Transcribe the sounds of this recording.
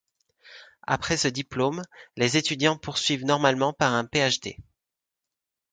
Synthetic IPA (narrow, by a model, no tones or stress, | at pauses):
a̰pχɛsəd̪iplomlezet̪yd̪jɑ̃puʁsɥivnɔʁmalmɑ̃paʁɛ̃peaʃd̪ḛ